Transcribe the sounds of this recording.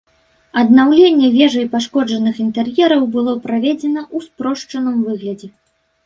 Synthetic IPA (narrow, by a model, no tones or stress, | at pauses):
ɐd̪nawlʲenʲːɛvʲɛʐɐjpaʂkɔd͡ʐɐnɨxint̪ɛrjɛɾɐwbɨlˠɔpɾavʲɛd͡zʲɛnɐʔuspɾɔʂt͡ʂɐnɨmvɨɣlʲɐd͡zʲɛ